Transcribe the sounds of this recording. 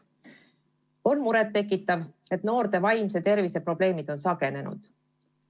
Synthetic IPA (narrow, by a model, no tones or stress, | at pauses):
o̞nmuɾet̪ːe̞kːˑit̪ːˑɑve̞t̪no̞ːɾt̪e̞vɑjms̬e̞t̪e̞rvise̞pro̞ble̞ːmid̪̥o̞nsɑɡ̥e̞ne̞nṵd̪̥